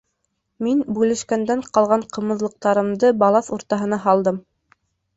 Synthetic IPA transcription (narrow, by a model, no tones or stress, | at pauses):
minbʉlɘ̆ʃkænd̪æɴqɑlˠʁɑɴqʰɤ̆mɤ̆ðlˠɤ̆q̚t̪ɑɾɤ̆md̪ɤbɑlˠɑθuɾt̪ɑɦɤ̆nɑɦɑlˠd̪ɤm